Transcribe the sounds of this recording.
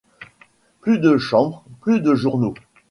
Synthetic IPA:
plyd̪əʃɑ̃bʁplyd̪əʒuʁno

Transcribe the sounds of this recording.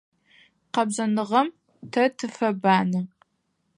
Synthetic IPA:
qɐbʑɐnɨʁɐm | tʰɐtʰɨfɐbaːnɨ

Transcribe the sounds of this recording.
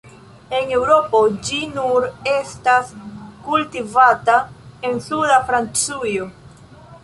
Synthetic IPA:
e̞ne̞wɾo̞po̞d͡ʒinuɾe̞staskultivatae̞nsudafɾant͡sujo̞

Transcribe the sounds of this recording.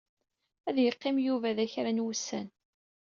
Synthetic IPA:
æðjəqːɪmjuvæðæçɾænwusːæn

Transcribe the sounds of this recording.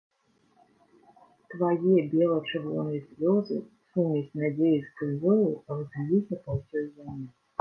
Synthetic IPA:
t̪vajɛbʲɛlˠɐt͡ʂɨvɔ̰nɨjɐsʲlʲɔzɨ̰ | sumʲɛsʲnad͡zʲejiskɨzʲɔlˠɨrɨzʲalʲisʲɐpɐwsʲɔjzʲamʲɛ

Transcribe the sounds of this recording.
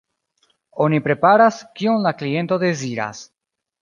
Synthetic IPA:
onipɾe̞paɾaskionlaklie̞nt̪oðeziɾa̰s

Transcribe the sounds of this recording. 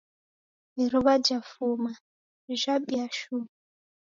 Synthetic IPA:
iɾuβad͡ʒafuma | ʒaɓiaʃum

